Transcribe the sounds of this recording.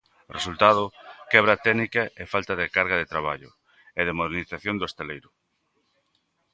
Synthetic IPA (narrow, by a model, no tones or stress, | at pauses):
result̪að̞ʊkɛβɾɐt̪ɛɣnikɐefalt̪ɐðɪkaɾɣɐðet̪ɾaβ̞a̰ʎʊ̰ | eðemoðeɾniθaθjond̪oest̪elejɾʊ